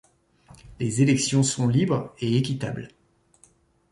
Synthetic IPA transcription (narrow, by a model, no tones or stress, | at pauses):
lezelɛksjɔ̃sɔ̃libʁeekʲit̪a̰bl